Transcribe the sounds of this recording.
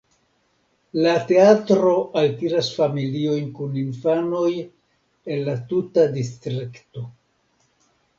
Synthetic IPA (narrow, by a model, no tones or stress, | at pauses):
late̞atɾo̞ʔaltiɾasfamilio̞jnkuninfano̞j | e̞nlatutadistɾikto̞